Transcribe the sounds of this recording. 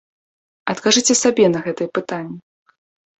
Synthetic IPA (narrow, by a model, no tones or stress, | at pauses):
ɐt̪kaʐɨt͡sʲɛsabʲɛn̪ɐɣɛt̪ɨjɛpɨt̪anʲːi